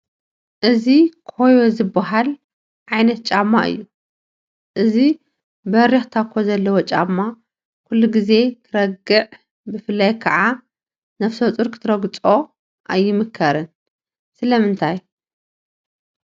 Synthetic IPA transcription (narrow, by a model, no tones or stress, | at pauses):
ʔɨzikʰhojo̞zɨbːaɦal | ʕajnɐt̪̚t͡ʃʼamːa̰ʔɨ̰jːu | ʔɨzi | bɐɾixt̪ʰakʰːozɐlːɐwot͡ʃʼamːa | kʰulːuɡize̞t̪ʰɨɾɐɡɨʕ | bɨfɨlːajkʰɐʕa | nɐfsot͡sʼɨɾkʰɨ̥t̪ʰɨɾɐɡɨt͡sʼo̞ | ʔajːɪmɨkʰːɐɾɨn | sɨlɐmɨnt̪ʰaj